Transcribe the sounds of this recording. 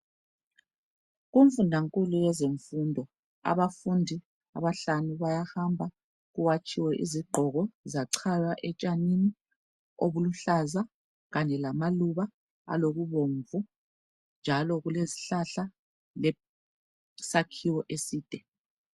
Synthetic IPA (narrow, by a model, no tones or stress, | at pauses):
ɣuɱfundʱaŋkʼulujɛzeɱfundʱɔ | a̰βafundʱi | a̰βaɬanuβajahambʱa | ɣuwat͡ʃʼiwɛʔiziɡ͡ǃʱɔɣɔzaǀʰajwaʔɛt͡ʃʼanini | oβuluɬaza | ɣaɲɛlamaluβa | a̰loɣuβoɱvu | nd͡ʒʱalɔɣulezi̥ɬaɬa | lɛ | sakʰiwɔʔesiːd̥ʱɛ